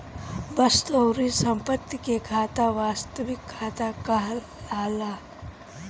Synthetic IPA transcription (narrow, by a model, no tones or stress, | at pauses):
bəst̪əwɾisɐmpət̪ːikekʰaːt̪aʋaːst̪əʋɪkʰːaːt̪akɐɦl | aːlaː